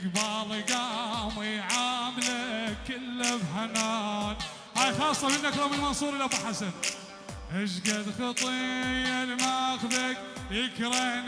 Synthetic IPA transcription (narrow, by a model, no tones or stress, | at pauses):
ɡbɑlˤiɡamiʕaːmlakɪlːabħanan | haːjxɑːsˤːɑmɪnːakɾˤamɪlmɑnsˤuːɾˤɪlabaħasan | ʔɪʃɡad̪xɑt̪ˤijalmaxbak | jɪkɾen